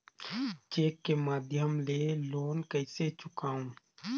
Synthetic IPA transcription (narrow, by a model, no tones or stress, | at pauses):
t͡ʃeːkːemaːd̪ʱjəmleloːnkəɪset͡ʃʊkaːũː